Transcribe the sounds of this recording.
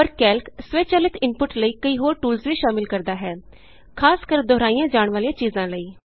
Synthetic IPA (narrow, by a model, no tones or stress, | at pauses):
pəɾkɛːlksʋeːt͡ʃəlɪt̪ɪnpʊʈləiːkəiːɦoːɾʈuːlsʋiːʃaːmɪlkəɾd̪aːɦɛː | kʰaːskəɾd̪ɔːɾaːijãːd͡ʒaːɳ̃ʋaːlijãːt͡ʃiːzãːləiː